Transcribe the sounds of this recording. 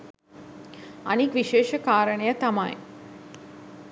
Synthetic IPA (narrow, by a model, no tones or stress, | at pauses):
ɐnikʋiʃeːʃɐkaːɾəɳejət̪ɐma̰j